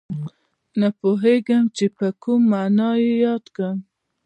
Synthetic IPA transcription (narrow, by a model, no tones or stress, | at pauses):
napoɦeɡamt͡ʃepəkumːanɑjejɑd̪kɽam